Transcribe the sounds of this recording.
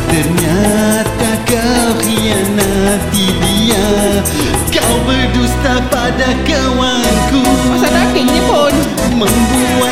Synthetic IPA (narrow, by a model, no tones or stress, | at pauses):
t̪ərɲat̪akawɾianat̪idia | kawbərdust̪apadakə | wankuasanakiɲipon | məŋbu | a